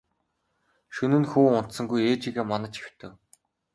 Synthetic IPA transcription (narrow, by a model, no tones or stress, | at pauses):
ʃɵnɘ̆nxuːʊn̥t̪sə̆ŋɡujeːt͡ɕiɣeːmanə̆t͡ɕi̥wt̪ʰɘ̆w